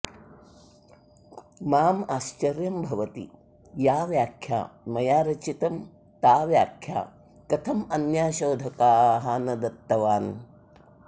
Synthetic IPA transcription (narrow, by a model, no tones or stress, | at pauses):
maːmaːʃt͡ʃɐɾjɐmbʱɐʋɐt̪ḭ | jaːʋjaːkʰja̰ːmɐjaːɾɐt͡ʃit̪ɐm | t̪aːʋjaːkʰja̰ː | kɐt̪ʰɐmɐnjaːʃoːd̪ʱɐkaːɦaːnɐd̪ɐt̪ːɐʋaːn